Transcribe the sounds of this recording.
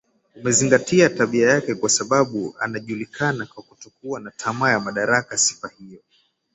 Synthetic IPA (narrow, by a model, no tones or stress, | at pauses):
umɛziŋɡatiataɓiajakɛkwasaɓaɓua̰naʄulikʰanakwakutɔkuanatʰamajamaɗaɾakasi̥fahijɔ